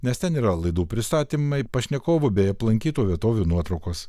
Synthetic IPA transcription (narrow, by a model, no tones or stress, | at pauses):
nʲɛst̪ʲɛniːɾɐlˠɐɪd̪uːpʲɾʲɪst̪ɑːt̪ʲimɐɪpɐʃʲnʲɛkoːʋʊbʲɛɪɐplˠɐŋʲkʲiːt̪oːʋʲiɛt̪oːʋʲuːnuɔt̪ɾɐʊkoːs